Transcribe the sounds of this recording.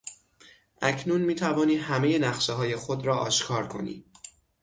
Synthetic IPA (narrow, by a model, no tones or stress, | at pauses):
ʔæcʰnuːnmiːt̪ʰævɒːniːhæme̞je̞næɣʃeɦɒːje̞xod̪ɾɒːʔɒ̰ːʃkʰɒːɾkʰo̞̰nḭː